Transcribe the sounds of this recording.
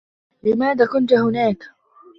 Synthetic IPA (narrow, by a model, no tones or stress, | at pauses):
lɪmaːðaːkʊnt̪hʊnaːk